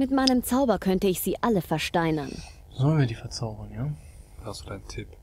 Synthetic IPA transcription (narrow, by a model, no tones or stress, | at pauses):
mɪtmaɪnəmt͡saʊbɐkʰœntəɪçz̥iːʔaləfɛɐʃtaɪnɐn | zɔːnviːdiːfɛɐt͡saʊbənjaː | v̥aszodaɪntʰɪp